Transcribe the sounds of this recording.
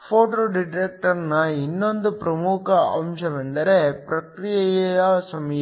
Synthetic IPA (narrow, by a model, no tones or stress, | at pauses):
foːʈoːɖɪʈek̚ʈɐɾnɐɪnːond̪ɯpɾɐmuːkɐɐ̰mʃɐʋɛnd̪ɐɾepɾɐkɾɪjɐjɐjaːsɐmɐj